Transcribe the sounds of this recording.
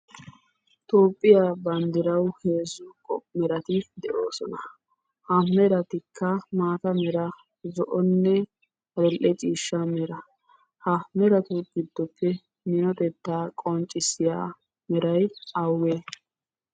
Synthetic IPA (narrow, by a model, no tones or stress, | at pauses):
t̪oːpʼːɪjabɐnd̪ɪɾɐwheːzʊkʼɔmɛɾɐt̪ɪd̪ɛʔo̰ːsɔnɐ | hɐmɛɾɐt̪ɪkʰːɐmaːt̪ɐmɛɾɐ | zɔʔɔnːɛ | ɐd̪ɛlʔɛt͡ʃʼiːʃːɐmɛɾɐ | hɐmɛɾɐt̪ʊɡɪd̪ːɔpːɛ | nɪnɔt̪ɛt̪ːaːkʼɔnt͡ʃʼːɪsɪja̰ː | mɛɾɐjɐwe